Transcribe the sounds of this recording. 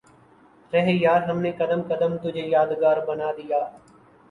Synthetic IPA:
ɾəɦeːjaːɾɦəmneːkəd̪əmkəd̪əmt̪ʊd͡ʒʱeːjaːd̪ɡaːɾbənaːd̪ɪjaː

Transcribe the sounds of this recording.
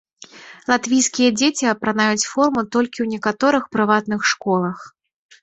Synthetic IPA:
lˠat̪vʲijskʲijɐd͡zʲet͡sʲiɐpɾanajut͡sʲfɔrmut̪ɔlʲkʲiwnʲɛkat̪ɔɾɨxpɾɨvat̪nɨxʂkɔlˠɐx

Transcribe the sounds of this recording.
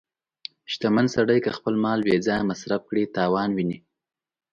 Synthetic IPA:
ʃt̪amansaɽəjkəxpəlmɑlwed͡zɑjmasɾaf̚kɽit̪ɑːwɑnwini

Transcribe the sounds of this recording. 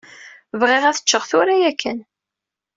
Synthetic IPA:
vʁɪʁæθə̥t͡ʃːəʁθʊɾæjækʰːən

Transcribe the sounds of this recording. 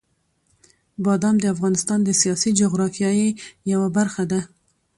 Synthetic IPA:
bɑd̪ɑmd̪əafɣɑnɪst̪ɑnd̪əsijɑsid͡ʒoɣɾɑfjɑjejawabaɾxad̪a

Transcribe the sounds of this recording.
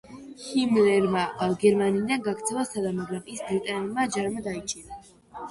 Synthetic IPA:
himlɛɾmaaɡɛɾmanid̪anɡaɡt̪sʰɛvasad̪amaɡɾamisd̪it̪ʼanɛlˠmad͡ʒaɾmad̪ait͡ʃʼiɾa

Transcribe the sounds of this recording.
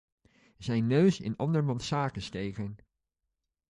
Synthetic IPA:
zɛjnːøɥsɪ̰nɑ̰ndəɹmɑntsaːkəstejkən

